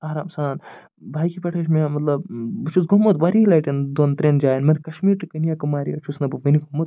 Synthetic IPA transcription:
aːɾaːmsaːn | bʱaːjkipɐʈʰɐʃ̬meamɐt̪lɐbt͡ʃʰusɡomːɐt̪baːɾiːlaːʈind̪ont̪ɾeːnd͡ʒaːjɐnmɐɾkɐʃmiːɾʈɨkɐnijakɐmaːɾiɐt͡ʃʰusnɐbɨʋɐniɡomːɐt̪̚

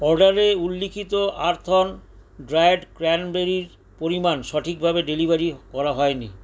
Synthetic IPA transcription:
ɔɾɖaɾeulːikʰit̪oʔaɾt̪ʰon | ɖɾajɖkɾɛnbeɾiɾ | poɾimanʃɔʈʰik̚bʱabeɖelibaɾikɔɾaɦɔeni

